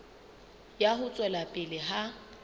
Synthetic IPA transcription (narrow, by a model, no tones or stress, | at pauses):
jaɦʊt͡sʼwɛlapʼɪlɪɦa